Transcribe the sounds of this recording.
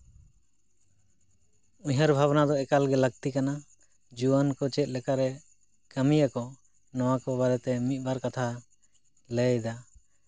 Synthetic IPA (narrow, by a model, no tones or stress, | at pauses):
ũɦəɾbʱabnad̪ɔɛkalɡɛləɡ̚t̪ikana | d͡ʒuankɔt͡ʃɛt̪̚ˀlɛkaɾɛ | kəmijakɔ | nɔwakɔbaɾɛt̪ɛmit̪̚ˀbaɾkat̪ʰa | ləd̪a